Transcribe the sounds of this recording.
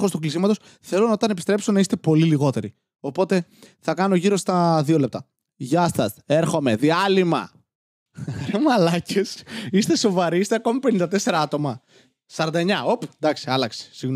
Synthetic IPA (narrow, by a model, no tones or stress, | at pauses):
xost̪uklisimɐt̪o̞s | θe̞lonɐo̞t̪ɐnepi̥st̪ɾe̞pso̞nɐist̪e̞po̞liliɣo̞t̪e̞ɾi | o̞po̞t̪e̞θɐkɐno̞ʝiɾo̞st̪ɐðio̞le̞p̚t̪ɐ | ʝɐst̪ɐst̪e̞ɾxo̞me̞ðiɐlimɐ̰ | ɾemɐlɐcesist̪e̞so̞vɐɾiist̪eɐko̞mipe̞nind̪ɐt̪e̞se̞ɾɐɐt̪o̞mɐ | sɐɾɐnd̪ɐeɲɐopd̪ɐksiɐlɐkse̥siɣn